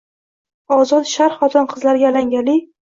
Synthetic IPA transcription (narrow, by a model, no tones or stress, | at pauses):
ɒzɒt̪ʃaɾχɒt̪ʰɒnqʰɨzlaɾɡʲalaŋɡʲalɪ